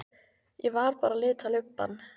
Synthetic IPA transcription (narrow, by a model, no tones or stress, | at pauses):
jɛvaɾpaːɾalɪːt̪ʰalʏpːa̰nː